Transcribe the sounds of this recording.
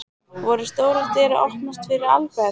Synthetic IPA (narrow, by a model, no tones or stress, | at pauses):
vɔɾɪst̪oːwɾat̪ɛːɾa̰ʔɔhp̪nast̪fɪɾɪɾa̰lpɛ